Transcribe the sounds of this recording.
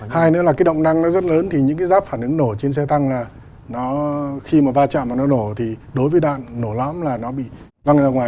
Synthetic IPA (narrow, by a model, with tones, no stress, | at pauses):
haː˧jnḛ˨˧˥wlaː˨˩kaː˨˦jɗə̰˧˨wŋ͡mna˧ŋnɔ˨˦zə˦˥t̚ləː˨˦nt̪ʰi˨˩ɲɨ̰˧˥ŋkaː˨˦jzaː˦˥p̚faː˧˩nʔɨ˨˦ŋno˧˩t͡ɕe˧nsɛ˧t̪a˧ŋlaː˨˩ | nɔ˨˦xi˧maː˨˩vaː˧t͡ɕa̰ː˧˨maː˨˩nɔ˨˦no˧˩t̪ʰi˨˩ɗo˨˦jvəː˨˦jɗwa̰ː˧˨nːo˧˩lɔ̰˧˥mlaː˨˩nɔ˨˦ɓḭ˧˨ | va˧ŋzaː˧ŋwaː˨˩